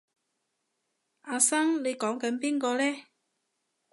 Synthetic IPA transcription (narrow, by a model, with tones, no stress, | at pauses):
ʔaː˧sɐ˥ŋle˨˧jkɔː˨˥ŋkɐ˨˥npiː˥nkɔː˧lɛː˥